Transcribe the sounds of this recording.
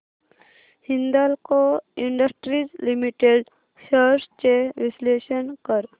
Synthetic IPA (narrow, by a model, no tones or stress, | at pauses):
hind̪alkoiɳɖəsʈɾid͡ʑlimiʈeɖ | səɾst͡ʃeʋisleɕənkəɾ